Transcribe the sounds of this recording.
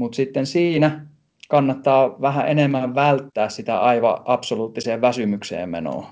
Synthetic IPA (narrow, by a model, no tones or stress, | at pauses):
mut̪sit̪ːensiːnæ | kɑnːɑt̪ːɑːʋæɦæʔenemːæʋʋælt̪ːæːssit̪æ̰ʔɑiʋɑ̰ʔɑpsoluːt̪ːiseːʋʋæsymyksḛːmmḛno̰ː